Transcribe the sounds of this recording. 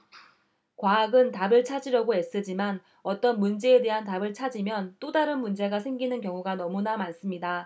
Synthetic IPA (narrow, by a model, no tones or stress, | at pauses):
kwaːɡɯntabɯɭt͡ɕʰad͡ʑiɾjʌɡoe̞s͈ɯd͡ʑiman | ʌt͈ʌnmund͡ʑe̞ːde̞ɦantabɯɭt͡ɕʰad͡ʑimjʌnt͈odaɾɯnmund͡ʑe̞ɡasʰeŋɡinɯnkjʌŋuɡanʌmunamans͈ɯmɲida